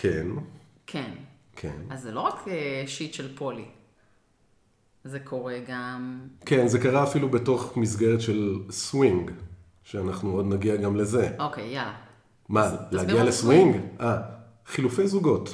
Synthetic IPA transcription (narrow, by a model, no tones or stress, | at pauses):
kʰe̞nkʰenkʰḛnazːelo̞ʁakeʃitʃelpo̞li | zekʰo̞ʁeɡamke̞nze̞kaʁaːfilubeto̞χmis̬ɡe̞ʁetʃe̞lswiŋɡ | ʃeanaχnuodnaɡiaɡamle̞ze̞ʔokejjala | malehaɡialeswiŋɡʔa | χilufe̞jzuɡo̞t